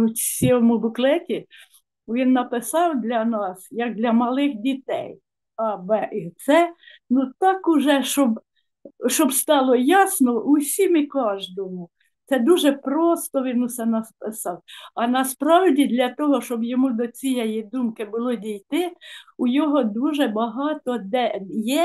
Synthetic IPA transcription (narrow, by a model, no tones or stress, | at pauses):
ʊsʲiɔmʊbʊklˠɛtʲi | ʋʲinːɐpɪsɑwd̪lʲɐnɑsjɐk̚d̪lʲɐmɐlˠɪxdʲit̪ɛ̰j | ɑbɛʔit̪sɛ | nut̪ɑkʊʒɛʃɔb | ʃɔbst̪ɑlˠɔjɑsnɔʊsʲimikɑʒd̪ɔmʊ | t̪sɛd̪uʒɛpɾɔst̪ɔʋʲinʊsɛnɐspɪsɑwɐnɐspɾɑwdʲid̪lʲɐt̪ɔɦɔʃt͡ʃɔbjɔmud̪ɔt͡sʲijɛjid̪umkɪbʊlˠɔdʲijt̪ɪʊjɔɦɔd̪uʒɛbɐɦɑt̪ɔd̪ɛjɛ